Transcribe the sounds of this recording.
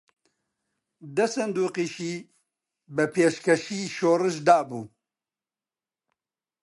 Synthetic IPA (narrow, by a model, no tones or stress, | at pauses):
d̪ɛsɛnd̪uːqiːʃiː | bɛpʰeːʃkɛʃiːʃoːrɨʃ̬d̪aːbuː